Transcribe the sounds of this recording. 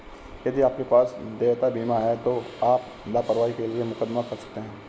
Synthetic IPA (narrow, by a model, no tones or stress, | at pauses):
jɐd̪iaːp̚kepaːsd̪eːʋt̪abiːmaɦɛt̪o | aːp | lapɐɾʋaːikeliemʊkəd̪makɐɾsɐk̚t̪eɦɛ̃ː